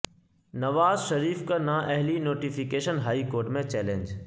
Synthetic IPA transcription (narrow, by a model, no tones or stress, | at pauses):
nɐʋaːzʃɐɾiːfkanãːʔɐɦlinoːʈifɪkeːʃənɦaːikoːɾʈmẽt͡ɕɛːlẽɲd͡ʑ